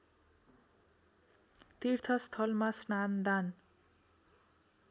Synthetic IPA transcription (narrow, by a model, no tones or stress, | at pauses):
t̪irt̪ʰʌst̪ʰʌlmasnand̪an